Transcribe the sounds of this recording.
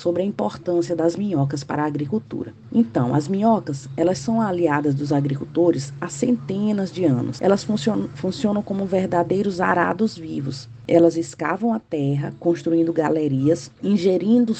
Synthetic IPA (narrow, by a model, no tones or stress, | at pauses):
sobɾɪɐĩmpoɾt̪ɐ̃siɐd̪ɐzmĩɲɔkɐspa̰ɾɐaːɡɾikuwt̪ṵɾɐ̰ | ẽnt̪ɐ̰̃w̃ɐ̰zmĩɲɔkɐsɛlɐssɐ̃w̃aliad̪ɐzd̪ʊzaɡɾikut̪oɾɪsasẽnt̪ẽnɐzd͡ʒɪɐ̃nʊ̰sɛ̰lɐsfũsofũsiõnɐ̃w̃kõmʊveɾd̪ad̪ejɾʊzaɾa̰d̪ʊzvivʊs | ɛlɐzɪskavɐ̃w̃at̪ɛɦɐ̰kõst̪ɾuĩnd̪ʊɡaleɾiɐsĩʒeɾĩnd̪ʊ